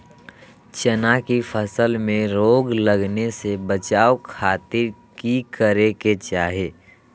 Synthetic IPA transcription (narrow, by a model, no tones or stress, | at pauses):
t͡ʃənakipʰəsəlmẽɾoːɡləɡnesebət͡ʃaːokʰaːt̪ɪɾkikəɾeket͡ʃaːɦeː